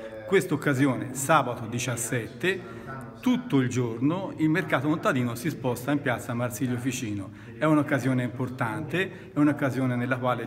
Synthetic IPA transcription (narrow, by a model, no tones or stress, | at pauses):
kwest̪okːazjoːnesaːbat̪od̪it͡ʃasːɛt̪ːe | t̪ut̪ːoild͡ʒornoilmerkaːt̪okont̪ad̪iːnosispɔst̪aimpjat̪sːaːmːarsiʎːofit͡ʃiːno | ɛunokːazjoːneimport̪ant̪e | ɛunokːazjoːnenelːakwaːle